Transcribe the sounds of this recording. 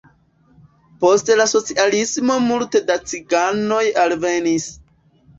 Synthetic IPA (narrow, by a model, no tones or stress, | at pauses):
po̞ste̞laso̞t͡siʔalismo̞multe̞dat͡siɡano̞jalve̞nis